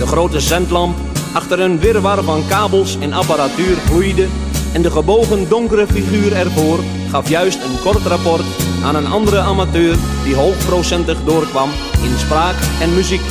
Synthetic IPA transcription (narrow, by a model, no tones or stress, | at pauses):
dəχrowtəsɛntlɑmp | ʔaxtərənʋɪrʋarvɑnkaːbəlˠsɛnapaɾatyːrflujdə | ɛndəχəboːɣəndoŋkərəfiχyːɾɛrvoːr | χɑfjœɥstənkɔrtrapɔrtʔa̰ːnənɑ̰ndəɾəaːmatøːrdiɦoːxprosɛntəχdʊːrkʋɑm | ɪnspraːkɛnmyzik